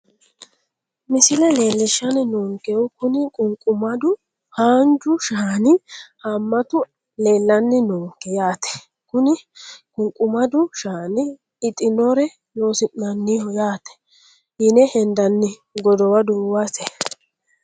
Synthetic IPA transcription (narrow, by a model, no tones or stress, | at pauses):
mɪsɪlɛle̞ːlːɪʃːɐnɪnɔːŋkɛɔkʊnɪkʼʊŋkʼʊmɐd̪ʊ | haːnd͡ʒʊʃaːnɪhɐmːɐt̪ʊ | le̞ːlːɐnːɪnoːŋkɛjaːt̪ɛ̥ | kʊnɪkʼʊŋkʼʊmɐd̪ʊʃaːnɪ | ɪt̪ʼːɪnɔɾɛ | noːsɪʔnɐnːihɔjaːt̪ɛ̥ | hɪnɛhɛnd̪ɐnːɪɡɔd̪ɔwɐd̪uːwasɛ